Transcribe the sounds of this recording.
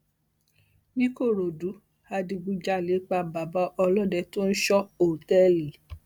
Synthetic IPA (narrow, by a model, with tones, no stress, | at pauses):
nĩ˦ko˦˨ɾo˨du˨˦ | a˧dĩ˧ɡ͡bu˧d͡ʒa˦˨le˨˦k͡pa˧ba˨ba˧˦ʔɔ˧lɔ˦˨dɛ˧˨to˦n̩˦ʃɔ˦o˨tɛ˦li˨˦